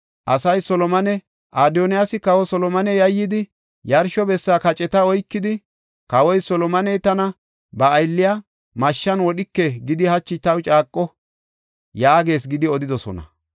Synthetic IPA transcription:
ʔɐsɐjsɔlɔmɐnɛ | ʔaːd̪ɔnɪjasɪkɐwɔsɔlɔmɐnɛjɐjːɪd̪ɪ | jɐɾʃɔbɛsːaːkɐt͡ʃʼɛt̪ɐɔjkːɪd̪ɪ | kɐwɔjsɔlɔmɐnɛjt̪ɐnɐ | bɐːjlːɪja | mɐʃːɐnwɔɗɪkːɛɡɪd̪ɪhɐt͡ʃːɪt̪ɐwt͡ʃʼaːkʼːɔ | jaːɡe̞ːs̬ɡɪd̪ɪɔd̪ɪd̪ɔsɔ̰nɐ̰

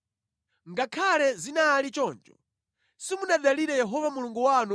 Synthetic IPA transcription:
ŋɡakʰalɛzinalit͡ʃɔnd͡ʒɔ̰ | simunaɗaliɾɛjɛɦɔvamuluŋɡuwanu

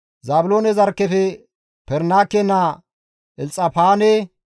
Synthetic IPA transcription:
zaːbʊloːnɛzɐɾkːɛfɛ | pɛɾnaːkːɛnːa | ʔɛlt͡sʼːɐpaːne

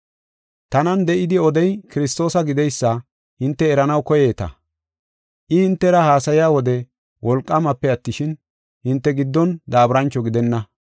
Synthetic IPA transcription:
t̪ɐnɐnd̪ɛʔɪd̪ɪɔd̪ɛjkɪɾɪst̪o̞ːsɐɡɪd̪ɛjsːɐ | hɪnt̪ːɛːɾɐnɐwkɔje̞ːt̪ɐ̰ | ʔɪhɪnt̪ːɛɾɐhaːsɐjɪjaːwɔd̪ɛ | wʔɔlkʼːɐmɐpːɛɐt̪ːɪʃɪn | hɪnt̪ːɛɡɪd̪ːɔnd̪aːbɾɐnt͡ʃːɔɡɪd̪ɛnːɐ

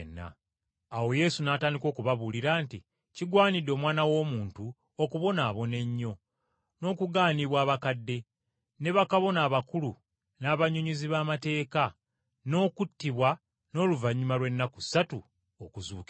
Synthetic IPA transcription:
nːa̰ː | wo̞je̞sunaːtaːndiko̞ːkuβaβuliɾaːnti | ciɡwaːnidːo̞ːmwaːnawo̞ːmuːntu | okuβo̞naːβo̞ne̞ɲːo̞ | no̞ːkuɡaːniβwaːβakadːe̞ | ne̞βakaβo̞naːβakulu | naːβaɲoɲuziβaːmate̞ːka | no̞ːkutːiβwa | no̞ːluvaɲːumalwe̞nːakusːatu | okuzṵːk

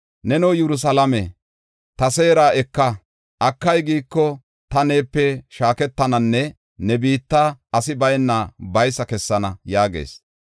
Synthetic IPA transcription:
nɛnowjɛɾʊs̬ɐlɐme | t̪ɐseːɾaːɛkːɐ | ʔɐkːɐjɡiːkːɔ | t̪ɐne̞ːpːɛʃaːkɛt̪ːɐnɐnːɛ | nɛbiːt̪ːaːɐsɪbɐjnːabɐjsɐkɛsːɐnɐjaːɡḛːs

